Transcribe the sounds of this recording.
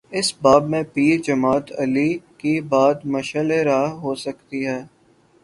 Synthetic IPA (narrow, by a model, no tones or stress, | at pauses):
ɪsbaːbmẽpiːɾd͡ʒəmaːt̪əlikibaːd̪mɐʃəleɾaːɦɦoːsɐkt̪iɦɛː